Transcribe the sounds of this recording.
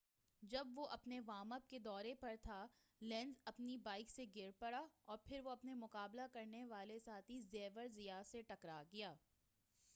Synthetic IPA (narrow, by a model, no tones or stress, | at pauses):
d͡ʒɐbʋoʔɐpneʋaːməp̚ked̪ɔːɾepɐɾt̪ʰa | lɛ̃ːnzɐpnibaːɪkseɡɪɾpɐɽaɔːɾpʰɪɾʋoɐpnemʊqaːblakɐɾneʋaːlesaːt̪izeːʋəɾzɪjaseʈɐkɾaɡɪjaː